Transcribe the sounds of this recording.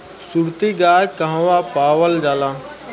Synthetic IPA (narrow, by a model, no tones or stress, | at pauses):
suɾt̪iːɡaːjkaɦãʋaːpaːʋəld͡ʒaːlãː